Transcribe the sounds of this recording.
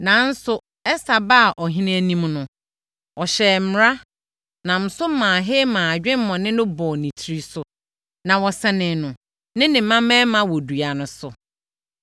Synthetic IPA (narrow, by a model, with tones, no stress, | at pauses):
nã˨˦n̩˦sʊ˨ | ɛ˦sa˨ba˦a˨ʔɔ˨ɦĩ˦ñ˦æ˦nĩ˦mnʊ̃˨ | ɔ˨ɕɛː˨˦m̩m˦ɾa˦ | nã˨m̩˨sʊ˦mãː˨ɦɪ˦mãː˨a˨d͡ʑᶣɪ̃˦m˦mɔ̃˨nɪ̃˦nʊ̃˦bɔ˨nĩ˨tʰɾi˦sʊ˨ | nã˨wɔ˨sɛ˨nɪ̃˨nʊ̃˨ | nɪ̃˦nɪ̃˨˦mã˦mɛ̃˦mã˨wɔ˨du˨a˨nʊ̃˨sʊ˨